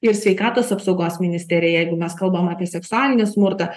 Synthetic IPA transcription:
ɪɾsʲʋʲɛɪkɑːt̪oːsɐpsɒʊɡoːsmʲɪnʲɪsʲt̪ʲɛɾʲɪjɛjɛɪɡʊmʲɛskɐlˠbɐmɑːpʲiɛsʲɛksʊɑːlʲɪnʲɪsmʊɾt̪ɐ

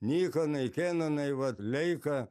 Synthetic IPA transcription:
nʲiːkɐnɐɪkʲeːnɐnɐɪʋɐt̪lʲɛɪkɐ

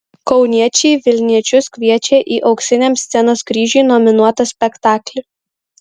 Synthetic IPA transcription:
kɒʊnʲiɛt͡ʃʲɛɪʋʲɪlʲnʲiɛt͡ʃʲʊskʲʋʲiɛt͡ʃʲeːʔiːʔɒʊksʲɪnʲeːmsʲt̪sʲɛnoːskɾʲiːʒʲuˑɪnɔmʲɪnuɔt̪ɐsʲpʲɛkt̪ɑːklʲɪ

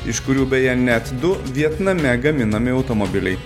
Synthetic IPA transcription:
ɪʃkʊɾʲuːbʲɛjɛnʲɛt̪d̪ʊʋʲiɛt̪nɐmʲɛɡɐmʲɪnɐmʲɪɒʊt̪omobʲɪlʲɛɪ

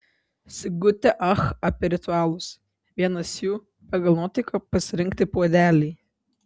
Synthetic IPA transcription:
sʲɪɡʊt̪ʲɛʔɐxɐpʲɛɾʲɪt̪ʊɑːlˠʊs | ʋʲiɛnɐsjuː | pɐɡɐlˠnuɔːt̪ʲɛɪkopɐsʲɪɾʲɪŋʲk̚ʲt̪ʲɪpuɔd̪ʲæːlʲɛɪ

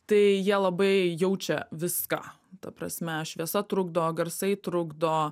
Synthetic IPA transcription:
t̪ɐɪjiɛlˠɐbɐɪjɛʊt͡ʃʲɛʋʲɪska̰ | t̪ɐpɾɐ̰sʲmʲɛʃʲʋʲiɛsɐt̪ɾʊɡ̚d̪ooːɡɐɾsɐɪt̪ɾʊɡd̪oː

